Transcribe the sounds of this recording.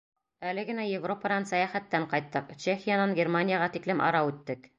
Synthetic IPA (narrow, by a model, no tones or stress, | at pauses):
ælɘɡɘ̆næjevro̞pɑd̪ɑnsɑjæχæt̪ːæɴqɑjt̪ːɤqt͡ɕexʲɪjanɑŋɡʲermanʲɪjaʁɑt̪iklɘmʔɑ̰ɾɑʉt̪ːɘk